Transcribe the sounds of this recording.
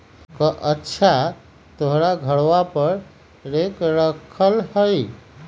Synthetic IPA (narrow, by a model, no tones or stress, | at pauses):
kəʔətːt͡ʃʰa | t̪oɦɾaɡʱəɽʋapəɾ | ɾekɾəkʰəlhəj